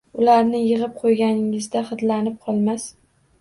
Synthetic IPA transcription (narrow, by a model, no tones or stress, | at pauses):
ʊlaɾnɪjɨʁɨp̚qʰojɡʲanɪŋɪzd̪aχɨd̪lanɪp̚qʰɒlˠmas